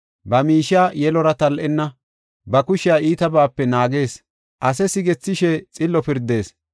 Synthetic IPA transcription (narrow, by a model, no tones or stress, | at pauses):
bɐmiːʃaːjɛlɔɾɐt̪ɐlʔɛnːɐ | bɐkʊʃɪjaːiːt̪ɐbaːpːɛnaːɡe̞ːs | ʔɐsɛsɪɡɛt͡sːɪʃɛt͡sʼɪlːɔpɪɾd̪e̞ːs